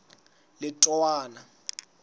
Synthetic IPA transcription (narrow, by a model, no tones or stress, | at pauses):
lɪtʼɔwaːna